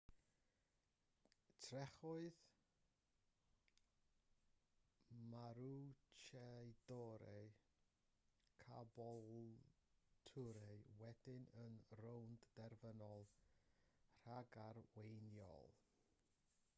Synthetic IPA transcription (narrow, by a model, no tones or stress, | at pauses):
tʰrɛχʊɨð | maɾut͡ʃʰɛjdɔɾɛ | kʰabɔ | tʰʊɾɛwɛd̥ɪnənrownddɛrvənɔlˠ | r̥aɡaɾwejnjɔ̰lˠ